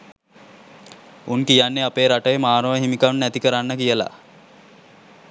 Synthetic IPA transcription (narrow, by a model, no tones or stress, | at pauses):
unkijanːeapeːɾaʈəjəmaːnəʋəɦimikanːæt̪ikəɾanːəkijəla̰